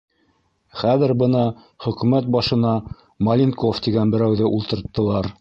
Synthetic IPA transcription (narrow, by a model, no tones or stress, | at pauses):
χæðɘ̆ɾbɤ̆nɑ | χɵ̆kʉmæt̪̚bɑʃɤ̆nɑ | mɐlʲinkoft̪iɡænbɘ̆ɾæwðɘʔulˠt̪ɤ̆ɾt̪ːɤ̆lˠɑɾ